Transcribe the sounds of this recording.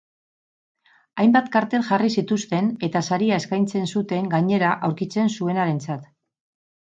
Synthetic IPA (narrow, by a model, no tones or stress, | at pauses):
ajmbat̪kaɾt̪e̞lʝarisit̪ust̪e̞ne̞t̪asaɾiae̞skajnt͡se̞nsut̪e̞ŋɡaɲe̞ɾaʔawɾkit͡se̞nsue̞naɾe̞nt͡sat̪